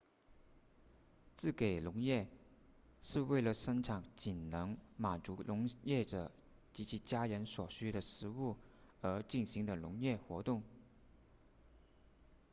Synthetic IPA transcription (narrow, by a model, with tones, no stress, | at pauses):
t͡sɹ̩˥˩ke˨˩ɪlʊ˧˥ŋjɛ˥˧ | ʂɻ̩˥˧we˥˩ɪlə˩ʂə˥ŋʈ͡ʂʰɑ˨˩ŋt͡ɕi˨˩nnɤ˧˥ŋma˨˩nt͡su˧˥lʔʊ˧˥ŋjɛ˥˩ʈ͡ʂɤ˨˩ | t͡ɕi˧˥t͡ɕʰi˧˥t͡ɕja˥ɻə˧˥nswɔ˨˩ɕy˥ɾə˨ʂɻ̩˧˥u˥˩ə˧˥t͡ɕi˥˩nɕi˧˥ŋd̪ə˧˨lʊ˧˥ŋjɛ˥˩xwɔ˧˥t̪ʊ˥˩ŋ